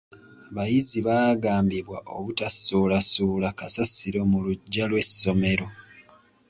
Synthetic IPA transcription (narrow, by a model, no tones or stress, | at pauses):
aβajiziβaːɡaːmbiβwaʔo̞̰βutasoːlasuːlakasasiɾo̞muluɟalwe̞so̞me̞ɾo̞